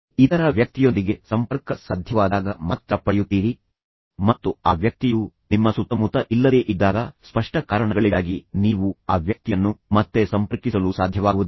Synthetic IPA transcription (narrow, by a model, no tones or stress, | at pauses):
id̪ɐɾɐʋjɐk̚t̪ijo̞nd̪iɡe̞sɐmpɐɾkɐsaːd̪ʱjɐʋaːd̪aːɡɐmaːt̪ɾɐpːɐjut̪ːiːɾi | mɐt̪ːuaːʋjɐk̚t̪iju | nimːɐsut̪ːɐmut̪ɐʔilːɐd̪e̞ːʔid̪ːaːɡɐspɐʂʈɐkaːɾɐɳɐɡɐɭiɡaːɡiniːʋuaːʋjɐk̚t̪ijɐnːumɐt̪ːe̞sɐmpɐɾkisɐlusaːd̪ʱjɐʋaːɡʋud̪u